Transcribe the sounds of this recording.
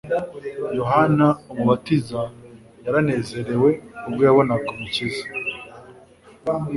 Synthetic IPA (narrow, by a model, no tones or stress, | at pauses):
jo̞ɦanaomuβatiza | jaɾane̞ːze̞ɾe̞we̞ubɡojaβo̞nakomucizḁ